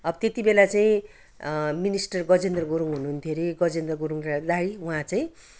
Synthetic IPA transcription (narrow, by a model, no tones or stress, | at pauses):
ʌbʌt̪et̪ibelat͡saĩ | minisʈʌrɡʌd͡zend̪rʌɡoɾuŋɦunuɦːnt̪ʰjoɾiɡʌd͡zend̪rʌɡoɾuŋrad̪aɽiwuɦãt͡saĩ